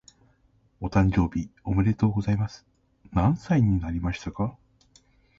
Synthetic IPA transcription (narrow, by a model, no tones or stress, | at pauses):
o̞t̪ãɲd͡ʑo̞ːbʲio̞mɯ̟ɾe̞t̪o̞ːɡo̞zaimasɨ̥ | nãɰ̃saiɲ̟inaɾʲimaɕi̥t̪aka